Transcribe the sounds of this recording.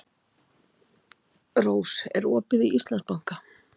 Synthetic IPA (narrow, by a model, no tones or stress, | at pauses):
roːwsɛ̰ɾɔːpɪðiʔist̪lanspawŋ̥ka